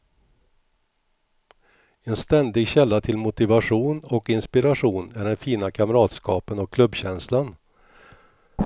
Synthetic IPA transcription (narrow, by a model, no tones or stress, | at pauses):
ɛnst̪ɛnd̪ɪɡɕɛlːat̪ʰɪlmʊt̪ɪvaɧuːnɔkɪnspɪɾaʂuːnæɖɛnfiːnakʰamɾɑːt̪skɑːpənɔkʰlɵbːɕɛnslan